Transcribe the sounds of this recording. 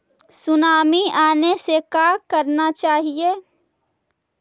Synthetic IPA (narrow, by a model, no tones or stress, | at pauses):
sʊnaːmiaːnesekaːkɐɾnat͡ʃaːɦieː